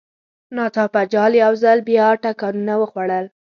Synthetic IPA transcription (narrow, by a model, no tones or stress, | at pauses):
nɑt̪ɑpad͡ʒɑljawzalbjɑʈakɑnunawəxwaɽəl